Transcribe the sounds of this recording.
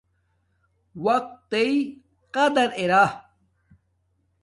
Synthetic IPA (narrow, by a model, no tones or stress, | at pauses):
wɐq̚t̪ːei | qɐd̪ɐɾeɾa